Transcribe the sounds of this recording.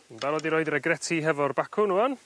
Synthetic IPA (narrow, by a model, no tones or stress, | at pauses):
nvɛlˠɔdiɾoːɨdrɛɡrɛtʰiɦɛvɔrbakʰʊnuan